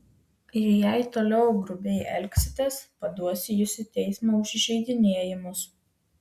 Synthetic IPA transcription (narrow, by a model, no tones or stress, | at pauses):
ɪɾjæɪt̪oːlʲɛʊɡɾʊbʲɛɪʔɛ̰lʲksʲɪ̥t̪ʲeːspɐd̪uɔsʲɪjʊsʲɪt̪ʲɛɪsmoʊʃʲɪʒʲɛɪd̪ʲɪnʲeɛjɪmʊs